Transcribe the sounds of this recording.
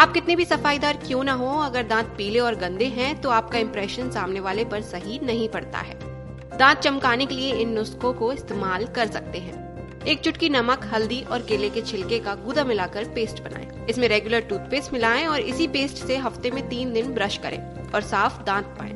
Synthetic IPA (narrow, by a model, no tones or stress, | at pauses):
aːp̚kɪt̪nebʱisɐfaːid̪aːɾkjõːnaɦoɐɡəɾd̪ãːt̪̚piːleɔːɾɡɐ̃nd̪eɦɛ̃t̪oaːp̚kaɪ̃mpɾɛːʃənsaːmneʋaːlepɐɾsɐɦinɐɦĩpɐɽt̪a̰ɦɛ̰ː | d̪ãːnt̪̚t͡ʃɐmkaːnekelieɪnːʊskõkoɪst̪eːmaːlkɐɾsɐk̚t̪eɦɛ̃ː | eːk̚t͡ʃʊʈkinɐməkɦɐld̪iʔɔːɾkeːleket͡ʃʰɪlkekaɡʊd̪amɪlaːkɐɾpeːsʈbɐna̰ːḛ̃ | ɪsmẽɾɛːɡjʊləɾʈuːt̪peːsmɪlaːẽɔːɾɪ̰sipeːsʈseɦɐft̪emẽt̪iːnd̪ɪnbɾɐʃkɐ̰ɾʔḛ̃ː | ɔːɾsaːfd̪ãːt̪̚pa̰ːḛ̃ː